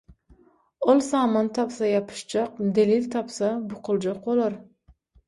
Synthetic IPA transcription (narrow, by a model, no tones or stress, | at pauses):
olˠsɑːmant̪ʰɑpsajɑpʰɨ̥ʃt͡ʃɑqd̪elilt̪ʰɑpsabʊqʰɨlˠd͡ʒɑq̚bolˠɑɾ